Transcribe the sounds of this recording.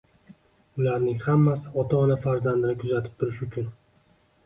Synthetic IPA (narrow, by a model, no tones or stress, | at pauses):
ʊlaɾnɪŋhamːasɪɒt̪ʰaɒnafaɾzand̪ɪnɪkʰʊzat̪ʰɪ̥p̚t̪ʰʊɾɪʃʊt͡ʃʰʊn